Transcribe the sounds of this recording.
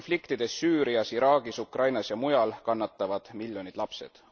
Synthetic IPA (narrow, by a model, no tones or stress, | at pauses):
nflikt̪id̪̥e̞sːyːɾiɑsiɾɑːɡ̥isukrɑjnɑsjɑmujɑlkɑnːɑt̪ːˑɑvɑd̪̥miljo̞nid̪̥lɑpse̞̰d̪̥